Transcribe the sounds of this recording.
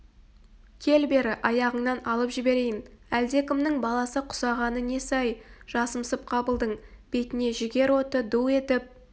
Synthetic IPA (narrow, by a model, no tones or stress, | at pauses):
kʲʰe̞lbe̞ɾɪʔɑjɑʁəɴnɑnɑlˠəpʒɪbe̞ɾe̞jɪnæld̪e̞kʲɪmnɪŋbɑlˠɑsəqʰʊ̥sɑʁɑnəne̞sɑjʒ̥ɑsəmsəp̚qʰɑbəlˠd̪əɴb̥e̞t̪ɪne̞ʒɪɡʲe̞ɾwo̞t̪əd̪ue̞t̪ɪp̚